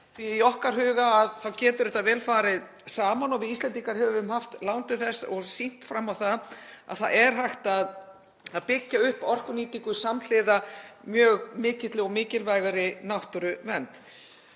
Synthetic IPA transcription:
θviiɔhkaɾ̥ɦʏːɣaːðθawcɛːt̪ʏɾɛht̪aðvɛːlfaːɾɪðsaːmanɔɣvɪist̪ɛnt̪iŋkaɾ̥hɛvʏʏmhaft̪lawnt̪ʏθɛsːɔɣsin̥t̪fɾamawθaða̰ðθa̰ðɛɾ̥ɦajxt̪að | aðpɪcːaʏhpɔr̥kʏniːt̪iŋkʏsaml̥ɪðamjœːɣmɪːcɪt̪lɪɔɣmɪːcɪlvajɣaɾɪnaht̪ʏɾʏvɛnt̪

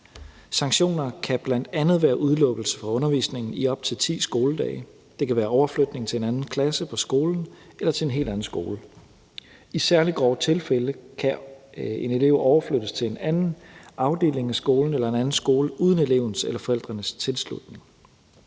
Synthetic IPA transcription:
sɑ̈ŋɕo̝̰ːnɐkʰæb̥læn̰d̥ænð̩ˠʋæːɐʔuð̞ˠlɔ̽ɡ̥l̩sə̥fʁɑ̈ɔ̽nɐʋḭːsne̝ŋn̩iɒ̽b̥̚t͡sʰe̝lt͡sʰḭːsɡ̥o̝ːləd̥ɛ̰ɪ | d̥e̝kʰæʋæːɐɒʊɐflød̥ne̝ŋt͡sʰe̝enænn̩kʰlæsəpʰɒ̽sɡ̥o̝ːln̩ | elɐt͡sʰe̝e̝nɦe̝̰ld̥æn̩sɡ̥o̝̰ːlə | isæɐliɡ̥ʁɒ̰ːt͡sʰe̝lfeləkʰæe̝ne̝le̝ʊ̰ɒʊɐflød̥əst͡sʰe̝le̝nænn̩ɑ̈ʊd̥e̝̰ːle̝ŋæsɡ̥o̝ːln̩elɐe̝nænn̩sɡ̥o̝ːləʔuð̞ˠn̩e̝le̝ʊn̩selɐfɒ̽el̰d̥ʁɐnəst͡sʰe̝lslṵd̥ne̝ŋ

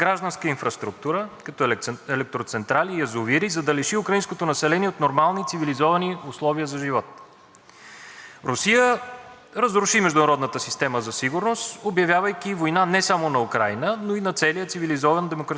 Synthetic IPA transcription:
ɡɾaʒd̪ɐnskəinfɾɐst̪ɾuk̚t̪uɾəkɐt̪ɔɛlɛk̚t̪ɾot̪sɛnt̪ɾalijɐzoviɾizɐd̪ɐlɛʃiʊkɾɐinskot̪onɐsɛlɛniɛot̪noɾmalˠnit̪sivilizɔvɐniʊslˠɔviəzɐʒivɔt̪̚ | ɾʊsijə | ɾəzɾʊʃimɛʒd̪ʊnɐɾɔd̪nət̪əsist̪ɛməzɐsiɡʊɾnost̪objɐvʲjavəjk̟ivojnanɛsamonɐukɾajnənoinɐt̪sɛlijət̪sivilizɔvənd̪ɛmokɾ

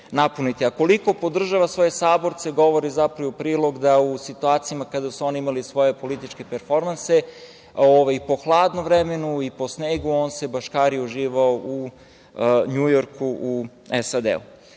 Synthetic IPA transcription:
napunit̪iako̞liko̞po̞d̪r̩ʒaʋasʋo̞je̞saːbo̞ɾt̪se̞ɡo̞ʋoɾizapɾaʋopɾiːlˠo̞ɡd̪ausit̪uaːt̪sijamakad̪asuo̞niimalisʋo̞je̞po̞lit̪it͡ʃke̞peɾfo̞ɾmanse | oʋajpo̞xlˠaːd̪noʋɾeme̞nuipo̞sneːɡuoːnse̞baʃkaːɾiuʒiːʋaoʔu | ɲujo̞ɾkuʔu | esad̪ḛṵ

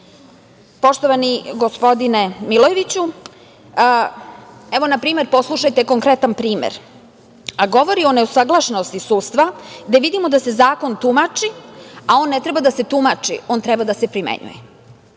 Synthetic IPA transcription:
po̞ʃt̪oʋaniɡo̞spo̞d̪inemilojeʋit͡ɕu | eʋonapɾiːmeɾpo̞slˠuʃajt̪eko̞ŋkɾet̪anpɾiːmḛɾ | aɡo̞ʋo̞ɾio̞neusaɡlˠaʃnost̪isuːst̪ʋaɡd̪e̞ʋid̪imo̞d̪ase̞zaːko̞nt̪umat͡ʃiao̞ːnːe̞t̪ɾebad̪ase̞t̪umat͡ʂḭo̞ːnt̪ɾebad̪asepɾimḛɲṵjḛ

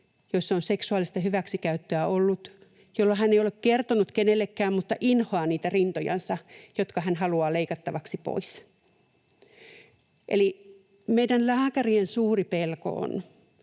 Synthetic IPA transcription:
joisːonseksuɑˑlist̪ɑhyʋæksikæyt̪ːøæolːut̪ | jolːɑhænːeijolekkert̪onut̪kenelːekːæːmmut̪ːɑʔinhoɑːniːt̪ærint̪ojɑ̰nsɑjot̪kɑhænhɑluɑːleikɑt̪ːɑʋɑksipo̰is | ʔeli | meidænlæːkæriensuːripelko̰o̰n

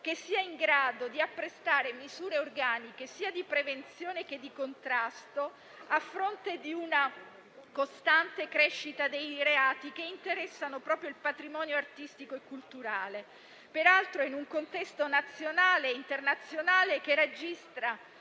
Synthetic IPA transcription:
k̟esːiːaiŋɡɾaːd̪od̪iapːɾest̪aːɾemizuːɾeorɡaːnikesiːad̪ipɾevent̪sjoːnek̟ed̪ːikont̪ɾast̪o | afːɾont̪ed̪iuna | kost̪ant̪ekɾeʃːit̪ad̪ejɾeaːt̪ikeint̪eɾɛsːanopɾɔːpɾjoilpat̪ɾimɔːnjoart̪ist̪ikoekːult̪uɾaːle | peɾalt̪ɾoinuŋkont̪ɛst̪onat̪sːjonaːleint̪ernat̪sːjonaːlek̟ered͡ʒist̪ɾa

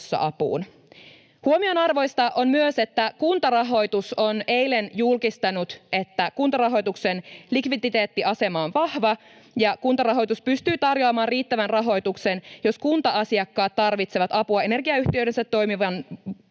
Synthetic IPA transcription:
sːɑ̰ʔɑpṵːn | huo̞mio̞nɑrʋo̞jst̪ɑʔo̞nmyøse̞t̪ːækunt̪ɑrɑɦo̞jt̪uso̞ne̞jle̞njulkist̪ɑnut̪e̞t̪ːækunt̪ɑrɑɦo̞jt̪uksenlikʋid̪it̪e̞ːt̪ːiʔɑse̞mɑonʋɑhʋɑ | jɑkunt̪ɑrɑɦo̞jt̪uspyst̪yːt̪ɑrjoːmɑːnriːt̪ːæʋænrɑɦo̞jt̪ukse̞njo̞skunt̪ɑɑsiɑkːɑːt̪ːɑrʋit̪seʋɑt̪ɑpuɑe̞ne̞rɡiɑyht̪iøɥdɾe̞nsæt̪ːo̞jmiʋɑn

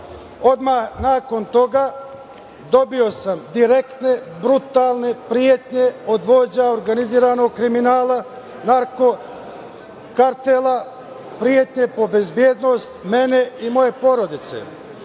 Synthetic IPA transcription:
o̞d̪mahnaːko̞nt̪o̞ɡaː | d̪o̞bio̞samd̪iɾe̞kt̪ne̞bɾut̪aːlˠne̞pɾijet̪ɲe̞o̞d̪ʋo̞ːd͡ʑaoɾɡaniziːɾano̞ɡ̚kɾiminaːla | naɾko̞ | kaɾt̪ela | pɾijet̪ɲe̞po̞be̞zbjeːd̪no̞st̪me̞ne̞imo̞je̞po̞ɾo̞d̪it̪sḛ

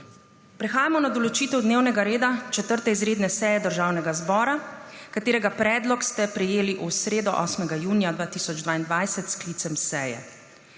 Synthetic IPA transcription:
pɾɛxaːjamɔnad̪ɔlɔt͡ʃiːt̪ɛwd̪neːwnɛɡaɾeːd̪at͡ʃɛt̪əɾt̪ɛizɾeːd̪nɛsɛːjɛd̪əɾʒaːwnɛɡazbɔːɾakat̪eːɾɛɡapɾɛːd̪lɔkst̪ɛpɾɛjeːliʔusɾeːd̪ɔʔɔːsmɛɡajuːnijad̪ʋaːt̪isɔd͡ʒd̪ʋaːind̪ʋajsɛt̪skliːt̪sɛmsɛːjɛ̰

